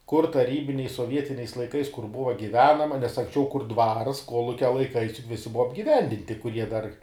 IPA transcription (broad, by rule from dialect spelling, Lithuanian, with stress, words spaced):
kʊr tɐˈrʲiːbʲɪnʲɛɪs soːˈʋʲiɛtʲɪnʲɛɪs lˠɐɪˈkɐɪs kʊr ˈbʊʋɐ ɡʲɪˈʋʲæːnɐmɐ nʲɛs ɐŋksʲˈt͡ʃʲɛʊ kʊr dʋɐrs ˈkoːlˠʊkʲɛ lˠɐɪˈkɐɪs jʊk ˈʋʲɪsʲɪ ˈbʊʋɐ ɐbʲɡʲɪˈʋʲɛnʲdʲɪnʲtʲɪ kʊˈrʲiɛ dɐr